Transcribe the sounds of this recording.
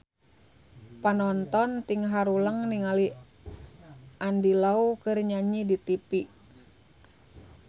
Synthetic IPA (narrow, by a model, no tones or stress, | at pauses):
panɔnt̪ɔnt̪iŋɦaɾuləŋniŋali | ʔandilaukərɲaɲidit̪ipi